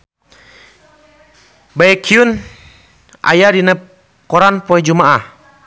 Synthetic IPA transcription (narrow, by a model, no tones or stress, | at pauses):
baɛkʰiun | ʔa̰jadinə | kɔɾanpɔɛd͡ʒumaʔah